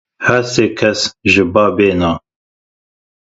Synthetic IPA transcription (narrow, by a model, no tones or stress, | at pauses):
hæseːkʰɛsʒɨbaːbeːnaː